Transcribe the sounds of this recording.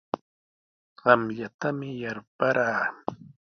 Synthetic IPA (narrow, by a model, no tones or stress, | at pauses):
ɢɑmʎat̪amɪjaɾpaɾaː